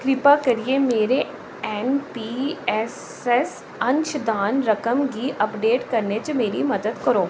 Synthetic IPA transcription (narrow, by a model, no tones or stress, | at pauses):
kɾɪpakɐɾiemeːɾe | ɛːnpiɛs | ɛs | ɐ̃ɲt͡ʃʰd̪aːnɾɐkəmɡiʔɐpɖeːʈkɐɾnet͡ʃemeːɾimɐd̪əd̪kɐɾoː